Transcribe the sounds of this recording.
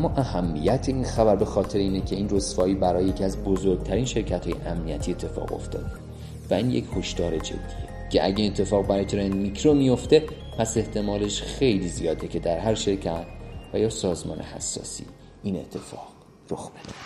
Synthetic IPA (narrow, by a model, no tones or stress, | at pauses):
ʔæmːɒːʔæhæmːijæt̪ʰeinxæbæɾbe̞xɒːt̪ʰe̞ɾeiːnecʰe̞iːnro̞sfɒːiːbæɾɒːjeje̞cʰiæzbozoɾɡ̚t̪ʰæɾinʃe̞ɾcʰæt̪hɒːjḛʔæmnijæt̪ʰiet̪ʰːe̞fɒ̰ːɣo̞̰ft̪ɒ̰ːd̪e | væiːnjecʰho̞ʃt̪ɒːɾe̞d͡ʒḛd̪̥ːijecʰe̞ʔæ̰ɟæinet̪ʰːe̞fɒːɣbæɾɒːjt̪ʰɾend̪micʰɾomijo̞ft̪e̞ | pʰæse̞ht̪ʰe̞mɒːle̞ʃxe̞jliːzijɒːd̪ecʰe̞d̪æɾɦæɾʃe̞ɾcʰæt̪ʰvæjɒːsɒːzmɒ̰ːnʔḛhæ̰sːɒ̰ːsḭ | iːne̞̰t̪ʰːe̞fɒ̰ːɣ̥ | roxb̥ed̪̥e̥